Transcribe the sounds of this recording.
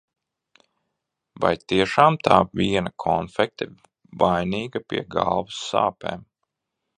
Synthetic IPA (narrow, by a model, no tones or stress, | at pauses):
va̰jt̪iɛʃaːmt̪ʰaːvʲiɛnakʰɔnfɛk̚t̪ɨ | vajniːɡapḭɛɡa̰lˠvusːa̰ːpḛːm